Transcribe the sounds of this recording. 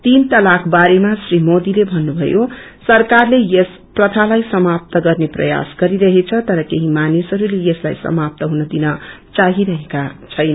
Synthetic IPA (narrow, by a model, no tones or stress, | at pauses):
t̪int̪ʌlakʰbaɾemasrimod̪ilebʱʌnːubʱʌ̰josʌrkarlejes | prʌt̪ʰalajsʌmap̚t̪ʌɡʌrneprʌ̰ja̰sɡʌɾiɾʌɦet͡sʰʌt̪ʌɾʌkeɦimanisʌɾulejeslajsʌ̰map̚t̪ʌɦunʌd̪inʌt͡saɦiɾʌɦekat͡sʰʌjnʌ